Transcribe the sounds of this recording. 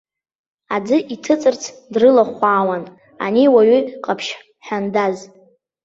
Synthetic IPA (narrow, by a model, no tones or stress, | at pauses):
ad͡zɨʔitʰɨt͡sʼɨrt͡sʰdrɨlaχʷaːwan | a̰niwaɥiqʼapʰʃ | ħandaz